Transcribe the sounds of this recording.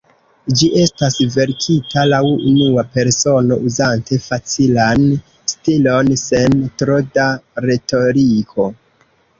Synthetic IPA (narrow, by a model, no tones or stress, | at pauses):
d͡ʒiʔe̞stasve̞ɾkʰitalawṵnuape̞ɾso̞no̞̰ʔuzante̞fat͡silan | stilo̞nse̞ntɾodaɾe̞to̞ɾikʰo̞